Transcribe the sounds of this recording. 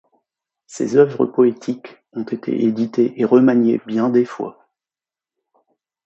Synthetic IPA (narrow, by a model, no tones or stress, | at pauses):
sḛzœvʁə̰pɔet̪ʰik | ɔ̃t̪et̪ʰḛʔed̪it̪eʔeʁəmaɲjḛbjɛ̃d̪efwa̰